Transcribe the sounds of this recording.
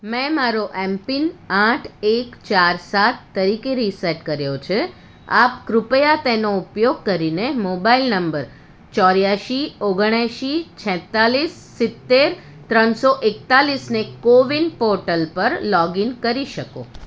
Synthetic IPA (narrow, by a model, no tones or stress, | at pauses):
mɛ̃maɾoʔɛmpinãʈʰekt͡ʃaɾsat̪ːəɾikeɾisɛʈkəɾjot͡ʃʰe | a̰pkɾʊpəjat̪enoupjoɡ̚kəɾinemobailnəmbəɾ | t͡ʃɔɾjaʃioɡəɳ̃jaʃit͡ʃʰɛ̃t̪alisːɪt̪ːeɾ | t̪ɾənsoʔekt̪alisnekoʋinpoɾʈəlpəɾlɔɡinkəɾiʃəko̰